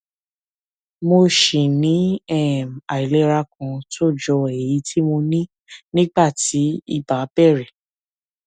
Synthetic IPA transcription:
mo˧ʃĩ˨nĩ˨˦ɛ˦˨ma˨i˨le˨˦ɾa˧kʰã˧to˦˨d͡ʒɔ˧e˨ji˨˦tʰi˦mo˧nĩ˦ | nĩ˦ɡ͡ba˦˨ti˨˦ḭ˦˨ba˨˦bɛ˦˨ɾɛ˨

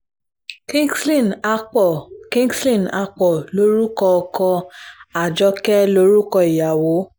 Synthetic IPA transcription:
kĩ˦sli˦˨na˧ɔ˨kĩ˦ŋɡslĩ˦˨na˧k͡pɔ˨lo˨˦ɾu˦kɔ˧ɔ˧kɔ̃˧a˨d͡ʒɔ˧˦kɛ˦lo˧˦ɾu˦kɔ˧i˨ja˨wo˨˦

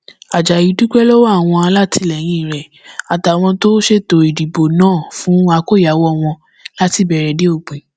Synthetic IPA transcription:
a˨d͡ʒa˨ji˨˧˦du˦k͡pɛ˦lɔ˦wa˦a˦˨w̃ɔ̃˧a˧la˦tʰi˧lɛ˨j̃ĩ˧i˦˨ɾɛ˨ | a˨ta˨w̃ɔ̃˧to˦ʃe˦to˧i˨di˨bo˨nãː˦˨fũ˨˦a˧ko˦˨ja˨˦wɔ˦w̃ɔ̃˧ | la˦ti˦˨bɛ˧ɾɛ˧de˦o˦˨k͡pĩ˨

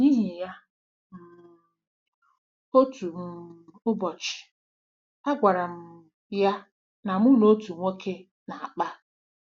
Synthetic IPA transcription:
ni˦ɦi˨ja˦ | m̩˨ | o˦tu˨m̩˨ʊ˦bɔ˨t͡ʃɪ̥˨ | a˦ɡʷa˨ɾa˨m̩˦˨ | ja˦ | na˨mʊ˦no˦tu˨ŋʷe˦kʰe˦ | na˨a˨k͡pa˦

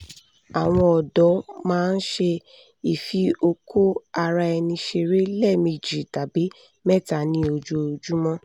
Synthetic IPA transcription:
a˨w̃ɔ̃˧ɔ˨dɔ˨˦mãː˦˧n̩˦ʃe˧ | i˨fi˧o˧kʰo˦a˧ɾa˧ɛ˧nĩ˧ʃe˧ɾe˦lɛ˦˨mĩ˧˨d͡ʒi˨ta˨bi˨˦ | mɛ˦˨ta˨nĩ˧o˧d͡ʒo˧˨d͡ʒu˦mɔ̃˦

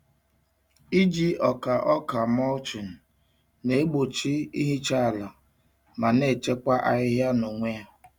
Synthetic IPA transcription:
i˦d͡ʒi˦ɔ˨ka˨ʔɔ˦ka˨mɔ˦lt͡ʃi˨n̩˨ | ne˦e˦ɡ͡bo˨t͡ʃi˦i˦ɦi˦t͡ʃa˦˨la˨ | ma˨ne˦˨t͡ʃe˦kʷa˦ʔa˨ɪ˦ɦja˦no˨ŋʷe˦a˦

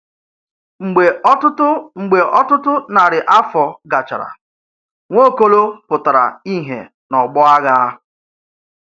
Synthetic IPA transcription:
ŋ͡m̩˨ɡ͡be˨˦tʊ˦tʊ˦ŋ͡m̩˨ɡ͡be˨ʔɔ˦tʊ˦tʊ˦na˨ɾɪ˨ʔa˦fɔ˨ɡa˨t͡ʃa̰˨ɾa̰˨ | ŋʷo˦ko˦lo˦pʊ˨ta˨ɾa̰˨i˦ɦḛ˨ | nɔ˨ɡ͡bɔ˦a˦ɣa˦

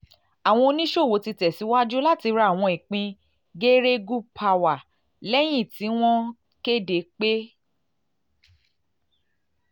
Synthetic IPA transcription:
a˨w̃ɔ̃˧o˧nĩ˦ʃo˦˨wo˨˦ti˧tɛ˨si˨˦wa˦d͡ʒu˦la˦ti˧ɾa˧˦˨w̃ɔ̃˧i˨k͡pĩ˧ | ɡe˦ɾe˦ɡu˦pʰa˧˨wa˨ | lɛ˦j̃ĩ˦˨ti˨˦w̃ɔ̃˦ | ke˦de˨k͡pe˦

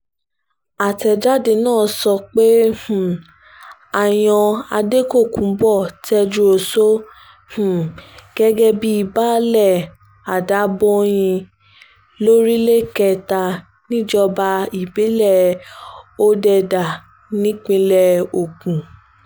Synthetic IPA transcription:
a˨tɛ˧d͡ʒa˦de˧nãː˦˨˧sɔ˧k͡pe˦h̩˦˨ | a˨j̃ɔ̃˧a˧de˦ko˦˨kũ˨bɔ˦˨tɛ˧d͡ʒu˧o˨so˦ | h̩˨ɡ̥ɛ˦ɡɛ˦bi˦i˦˧˨ba˦lɛ˦˨ | a˨da˨˦bɔ˦j̃ĩ˧ | lo˦ɾi˦le˦kɛ˧˨ta˧ | nĩ˦d͡ʒɔ˧ba˧i˨be˨˦lɛ˦˨ | o˦dɛ˧da˨ | nĩ˦k͡pĩ˧lɛ˧o˨kũ˨

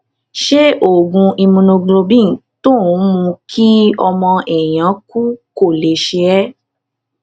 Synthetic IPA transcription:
ʃe˦ʔo˦˨ɡũ˧i˧mũ˧nõ˧ɡ͡blo˧bĩ˦˨tõ˦˨˦mũ˧kʰi˦ɔ˧mɔ̃˧ʔɛ˨j̃ã˨˦ku˦ko˦˨le˨˦ʃe˧ɛ˦

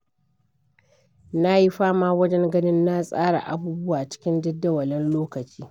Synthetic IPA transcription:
na˦ji˦ɸaː˦maː˦wɐ˦d͡ʒɛ˦ŋɡɐ˦nɪ˦nːa˦sʼaː˦ɽa̰˨ʔa˦buː˦bʊ˦waː˨t͡ʃɪ̥˦kʲɪ˦ndɐ˦dːɐ˦wɐ˨lɛ˦nloː˦kɐ˨t͡ʃiː˦

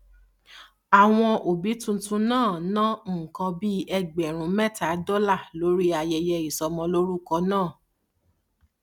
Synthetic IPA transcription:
a˨w̃ɔ̃˧o˨bi˨˦tũ˦˧tũ˧nãː˦˨nã˦˨kɔ̃˧bi˦ɛ˦ɡ͡bɛ˨ɾ̃ũ˨˧˦mɛ˦˨ta˨˦dɔ˦la˦˨lo˨˦ɾi˦a˧jɛ˧jɛ˧i˨sɔ˧mɔ̃˧lo˦ɾu˦kɔ˧˦nãː˦˨

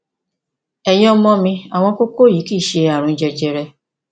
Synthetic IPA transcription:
ɛ˧jɔ̃˦mɔ̃˧mĩ˧a˨w̃ɔ̃˧ko˦ko˦˨ji˨˦kiː˦˨ʃe˧a˨ɾ̃ũ˨˦d͡ʒɛ˧d͡ʒɛ˧ɾɛ˧

